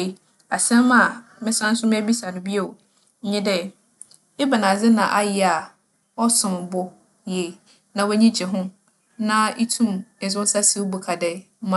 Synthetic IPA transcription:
a˨sɛ̃˦m˦mã˨˦ | mɪ̃˦sã˦n̩˦sʊ̃˦m̃˦æ˦bi˦sa˨nʊ̃˨bi˦o˨ | ɲ̩˦ɲɪ̃˦dɛ˦ | ɪ˦ba˨nã˨d͡zɪ˦nã̰˨ʔa˦jɪ˨a˨ | ɔ˦sʊ̃˨mbʊ˦ | je˨ | nã˨wɛ˦ɲĩ˦t͡ɕʰɪ˨ɦʊ̃˦ | nã˦i˦tʰũ˦mɛ˨zʊ̃˦n̩˦sa˦si˦wbu˨kʰa˨dɛ˦mã˨

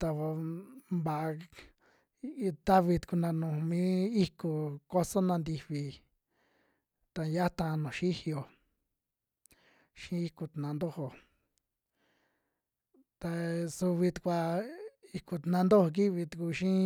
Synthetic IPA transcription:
t̪a˧βo˧mba˨ʔ | t̪a˦βi˧t̪u̥˧ku˧nã˧nũ˨˧mĩ˦i˦ku˧ko˦so˦nã˧nd̪i˧βi˧ | t̪a˧ja˦t̪ã˧nũ˨ʃi˦hi˧o˨ | ʃĩ˦i˧ku˧t̪nã˨˧nd̪o˦ho˧ | t̪a˧su˧βi˧t̪u̥˧kʷa˧i˧ku˧t̪nã˧nd̪o˦ho˧k̬i˦βi˧t̪u˨ku˧ʃĩ˦

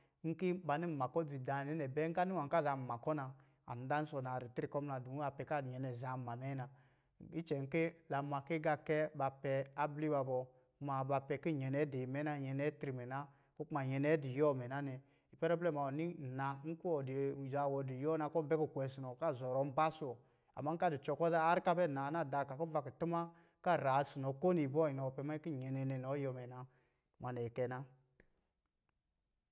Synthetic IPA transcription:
ŋ̩˦ki˦ba˨ni˦˨ma˨kɔ˦d͡zi˨da˨nɛ˨˦nɛ˨bɛ˦ŋ̩˦ka˦ni˦wa˨ŋ̩˨ka˦˨za˨m̩˨ma˨kɔ˦na˧ | a̰˨n˨˦da˦n̩˦sɔ˧˨na˨ɾi˨ti˦i˨kɔ˦mna˨du˨˦a˧pɛ˨ka˦˨ɲɛ˨nɛ˨za˨˦˨ma˨mɛ˦na˧ | i˦t͡ʃɛ˨ŋ̩˦ki˦la˨˦ma˨ki˦ɡa˧kɛ˦ba˧pɛ˧a˦bli˦ba˧bɔ˧˦ | ma˨ba˧pɛ˧ki˦ɲɛ˨nɛ˨˦di˨mɛ˨˦na˧˨ɲɛ˨nɛ˨˦tɾi˨mɛ˨na˦ | ku˦k͡pma˨ɲɛ˨nɛ˨˦di˨jɔ˦˨mɛ˨na˦nɛ˨ | i˨pɛ˦ɾɔ˦blɛ˦˨ma˨ɔ˨ni˦˨na˨˦ŋ̩˦ku˦ɔ˨dza˨wɔ˧di˨jɔ˦na˧kɔ˦bɛ˦ku˨kʷɛ˨si˨nɔ˨˦ka˦˨zɔ˨ɾɔ˨˦m̩˦ba˦su˨ɔ˨ | a̰˨ma˦ka˦du˨t͡ʃɔ˨kɔ˦ðaː˦ɾka˦bɛ˦˨na˨˦na˦˨da˨˧˨ka˨kɔ˦va˨kə˨tɨ˦ma˦ | ka˦˨ɾa˨˦si˨nɔ˨ko˦ni˨bɔ˦i˨nɔ˨pɛ˧ma˦ki˦˨ɲɛ˨nɛ˧nɛ˨nɔ˨˦jɔ˧mɛ˨na˨ | ma˨nɛ˨kɛ˧na˦

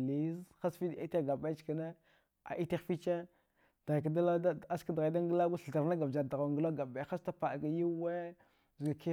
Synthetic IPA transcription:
li˦zxa˦sfi˦di˦ta˦ɡa˨ba˦t͡ʃka˨ne˦ | a̰˨ʔi˦te˦xfi˦t͡ʃe˦ | d̥ɣa˨k̬a˨da˦la˦a˦ska˦dɣa˨˦da˦ŋɡə˦la˦ɡu˦ɬɬa˨ɾna˦ɡa˨bd͡ʒa˨da˨ɣŋɡə˦la˦ɡa˨ba˨xa˦sta˦pa˨ɡa˨ji˦we˦ | zɡa˨ki˦

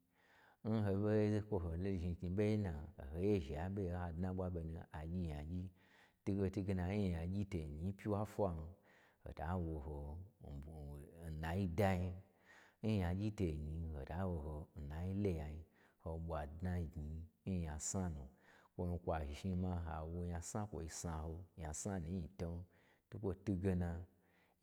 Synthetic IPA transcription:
n̩˦ɦo˧be˦kʷo˦ɦo˨lo˦˨ʒi˧˨ti˧be˦i˦na˨ho˨˦je˦ʒi˨a˨˦be˦ha˧dnã˦ɓʷa˦be˧nu˧a˨d͡ʒʲi˧˨ja˨d͡ʒʲi˦ | tu˦ɡo˧tu˦ɡe˧na˧˦i˦˨ja˨d͡ʒʲi˦te˨ɲi˧˦pʲi˦wa˦fʷa˧nu˧ | ho̰˨da˨˦wo˧ɦo˨ | na˨ji˦da˦ji˧˦ | i˦ja˨ɡʲi˦te˨ɡi˨˧ho̰˨da˨˦wo˧ɦo˧n̩˨na˨ji˦le˧ja˨ɲi˧ | ho˧ɓʷa˨dna˧˨ɡi˨˧˦ja˨sa˦nu˨kʷo˧mi˧kʷa˨ʒi˨ʒi˧ma˧ɦa˨wo˧ɲa˧sã˦kʷo̰˧i˧sa˧ho˧ja˨sa˦nũ˨˦i˧to˧n˦ | tu˦kʷo˧tu˦ɡe˧na˧

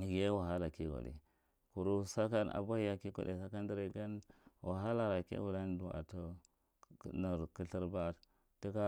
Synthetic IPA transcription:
ɡe˦wa˨ɦa˦la˨ki˦ɡa̰˨dḭ˨ | ku˨ɾu˦sa˦ka˦na̰˨ba˦hi˦ja˦ki˦kṵ˨de˨sa˦ka˦ndi˦ɾi˨ɡa˦nwʔa˨ɦa˦la˨ɾa˨kḛ˦u˨la˦n˦du˨a̰˨to˦˨ | na˨ɾku˦ɬi˦ɾba˦˨ | ti˦ka˦

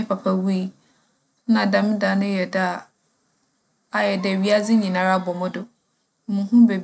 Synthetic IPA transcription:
ɪ˦pʰa˨pʰa˨wu˦i˦ | nã˨dã˨m˦da˨˦nʊ̃˦jɛ˨da˨ | a˨jɛ˨dɛ˨ɥi˦a˦d͡zɪ˦ɲĩ˨nã˨ɾa˦˨bɔ˨mʊ̃˦dʊ˨ | mũ˨˦ɦũ˦be˨b

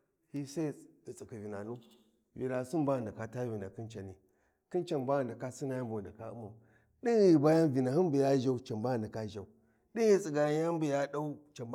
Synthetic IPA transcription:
hi˦sa˦di˨t͡si˨ki˨vi˨na˨nu˦ | vḭ˨la˨su˦nba˦˨nda˨ka˨ta˦vi˨na˨ki˦nt͡ʃa˨ni˨ | ki˦nt͡ʃa˨nba˦˨nda˨ka˦si˦na˨ja˦mbu˨n˨da˨ka˦ṵ˦ma˨ | ɗi˦nɣi˨ba˦ja˦nvi˨na˨hi˦nbu˨ja˦ʒa˦u˦t͡ʃa˨mba˦˨nda˨ka˦ʒa˨u˨ | ɗi˦n˦i˦t͡sʼi˨ɡa˨jja˦mbu˨ja˦ɗa˦u˦t͡ʃa˨m˦

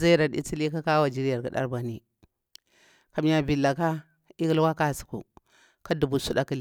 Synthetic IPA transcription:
za˦ɾa˨ɗḭ˦t͡si˦li˦ka˦ka˦wa˨d͡ʒi˦ɾja˨ɾka˨ɗa̰˦ɾba˨ni˨ | ka˨m˦ja˨bi˨la˨ka˦ | i˦ɡi˦lwa˦ka˦˨su̥˨kṵ˨ | ka˦du˨bu˨su˦da˦ki˦l

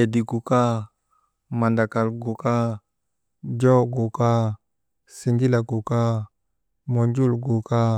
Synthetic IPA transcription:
e˨di˨ɡu˨ka˦ | ma˨nda˨ka˨lɡo˨ka˦ | d͡ʒo˦ɡo˨ka˦ | si˨nɡi˦la˨ɡo˨ka˦ | mo˨nd͡ʒu˦lɡo˨ka˦

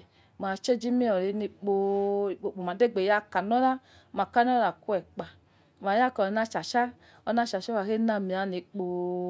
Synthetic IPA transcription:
ma˨t͡ʃe˦d͡ʒi˦mi˦ɔ˨ɾi˨˧˦ni˧k͡po˧˨k͡po˨k͡po˨m˨a˨de˦˨ɡ͡be˨ja˦ka˨nɔ˦la˦˨ | ma˨ka˦n˦ɔ˦la˨ku˦ɛ˨k͡pa˨ | ma˨ja˦˨kɔ˨na˦t͡ʃa˨t͡ʃa˦ | ɔ˧na˦t͡ʃa˨ʃa˦wa˨he˦na˧mi˨a˨˦ni˧k͡po˧

